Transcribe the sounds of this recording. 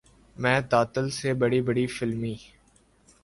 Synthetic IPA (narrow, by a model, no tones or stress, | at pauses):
mɛ̃ːt̪aːt̪əlsebɐɽibəɽifɪlmiː